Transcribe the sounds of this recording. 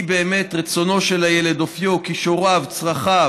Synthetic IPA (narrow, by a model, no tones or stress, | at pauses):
beːme̞t̪ʁet͡so̞no̞ʃelajele̞d̪ofjokiʃoʁavt͡sʁaχa